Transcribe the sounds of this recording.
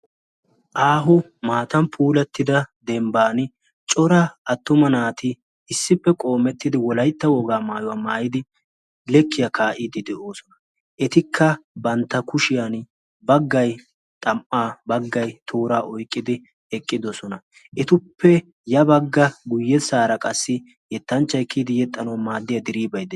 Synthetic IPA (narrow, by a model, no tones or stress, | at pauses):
ʔaːɦʊ | maːt̪ɐnpʰuːlɛt̪ːɪd̪ɐd̪ɛmbaːn | t͡ʃʼɔɾɐɐt̪ːʊmɐnaːt̪ɪ | ɪsːɪpːɛkʼo̞ːmɛt̪ːɪd̪ɪwɔlɐjt̪ːɐwɔɡaːmaːjʊwaːmaːjɪd̪ɪ | lɛkːɪjɐkʰaːʔɪd̪ɪd̪ɛʔo̞ːsɔnɐ | ʔɛt̪ɪkʰːɐbɐnt̪ːɐkʊʃɪjan | bɐɡːɐj | t̪ʼɐmʔaːbɐɡːɐjt̪ʰoːɾaːʔɔjkʼːɪd̪ɪ | ɛkʼːɪd̪ɔsɔnɐ | ʔɛt̪ʊpʰːɛ | jɐbɐɡːɐɡʊjːɛsaːɾɐkʼɐsːɪ | jɛt̪ːɐnt͡ʃːɐjkːiːd̪ɪjɛt̪ʼːɐnɐwmaːd̪ːɪjɐd̪ɪɾiːbɐjd̪ɛ